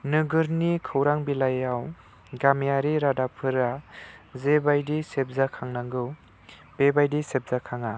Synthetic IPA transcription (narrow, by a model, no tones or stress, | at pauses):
nɯɡɯɾnikʰɯwɾaŋbilajaw | ɡamjaɾiɾadapʰɯɾazebajdisep̚zakʰaŋnaŋɡɯw | b̥ebajdisep̚zakʰaŋa